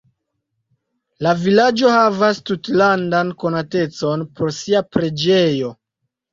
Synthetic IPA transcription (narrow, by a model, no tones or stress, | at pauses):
lavilad͡ʒo̞havastutlandanko̞nate̞t͡so̞npo̞ɾsiapɾe̞d͡ʒe̞jo̞